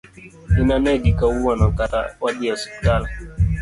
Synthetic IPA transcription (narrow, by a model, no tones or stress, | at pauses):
inanɛɡikawuwanakata̰waɗiaspital